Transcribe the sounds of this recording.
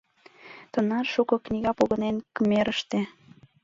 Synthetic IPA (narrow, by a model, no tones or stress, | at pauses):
t̪ənɑrʃukɤ̆knʲiɣɑpoɣə̆nenkmeɾəʃt̪e